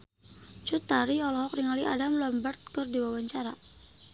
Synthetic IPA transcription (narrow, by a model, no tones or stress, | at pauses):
t͡ʃut̪aɾiɔlɔɦɔkriŋaliʔa̰damlɔmbərt̪̚kɔrdiwawaɲt͡ʃaɾa